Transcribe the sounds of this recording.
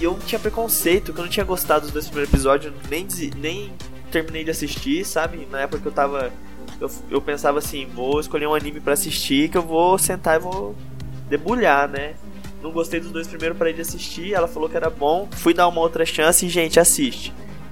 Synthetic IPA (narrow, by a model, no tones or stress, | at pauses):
ɪewñt͡ʃĩɲɐpɾekõsejt̪ʊkɪewñt͡ʃĩɲɐɡost̪ad̪d̪ʊzd̪ojspɾimejɾʊepizɔd͡ʒʊ̃ | nẽj̃ɪzinẽj̃ | t̪eɾminejd͡ʒɪasist͡ʃisabɪnɐɛpʊkɐkewt̪avɐ | ew | ewpẽsavɐasĩvoɪskoʎeũanĩmɪpɾɐasist͡ʃikɪewvosẽnt̪aɪvo | d̪ebuʎanɛ | nɐ̃w̃ɡost̪ejd̪ʊzd̪ojspɾimejɾʊpɾɐid͡ʒɪasist͡ʃiɛlɐfalokɪɛɾɐbõfujd̪aũmɐowt̪ɾɐʃɐ̃sɪɪʒẽnt͡ʃɪasist͡ʃɪ̥